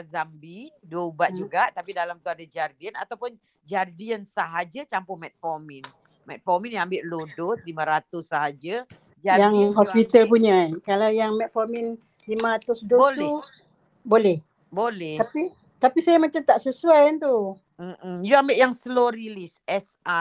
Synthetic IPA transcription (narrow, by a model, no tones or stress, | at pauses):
azambiduəubat̪̚d͡ʒuɡaʔt̪apidalamt̪uadad͡ʒardiənat̪awpʊn | d͡ʒardiənsəɦad͡ʒat͡ʃampʊhmɛt̪̚fɔmin | mɛt̪̚fɔminjaambɪʔlodot̪limãɾat̪ʊsːəɦad͡ʒə | d͡ʒajaŋɦɔspit̪əlp̬uɲakalawjaŋmɛt̪̚fɔmin | limaɾat̪ʊsdoolɛ | bolɛh | bolɛht̪api | t̪apisajamat͡ʃamt̪aʔsəsuajant̪u | m̩m̩juambɪʔjaŋsəloɾilisɛsa